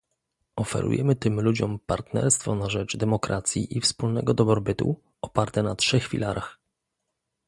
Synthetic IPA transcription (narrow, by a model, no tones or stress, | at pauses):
ɔfɛ̰ɾṵjɛmɘt̪ɘmlud͡ʑɔmpaɾt̪nɛ̰ɾst̪fɔnaʐɛd͡ʐd̪ɛmɔkɾʔa̰t̪sʲjḭʔifspulnɛɡɔd̪ɔbɾɔbɘt̪ṵ | ɔpaɾt̪ɛnatʂɛxfʲḭlaɾʔax